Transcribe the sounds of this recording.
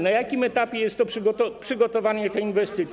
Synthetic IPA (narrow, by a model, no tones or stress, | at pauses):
najakʲimɛt̪apʲjɛjɛst̪ːɔʂɡɔt̪ɔpʂɘɡɔt̪ɔvaɲɛt̪ɛinvɛst̪ɘt̪sʲ